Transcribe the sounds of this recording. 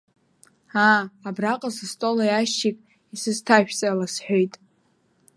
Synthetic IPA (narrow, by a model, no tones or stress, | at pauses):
aːbraqʼasɨstʼolajaʃikʼ | isɨztʰaʃᶣt͡sʼalasħʷᶣojtʼ